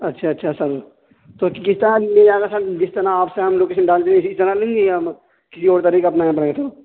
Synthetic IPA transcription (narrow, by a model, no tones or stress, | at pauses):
ɐtːʃʰaɐtːʃʰasɐɾ | t̪oːkkɪst̪ɐɾãmeːaːɡasɐɾd͡ʒɪst̪ɐɾaaːpseɦɐmloːkeːʃənɖaːld̪ẽɪsist̪ɐɾalẽːŋɡeja | kɪsioːɾt̪ɐɾiːkɐpnaːẽpɐɽẽet̪ʰo